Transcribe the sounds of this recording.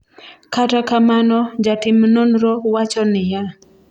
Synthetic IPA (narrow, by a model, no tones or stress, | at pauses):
katakamanɔd͡ʒatɪmnonɾɔwat͡ʃɔnɪja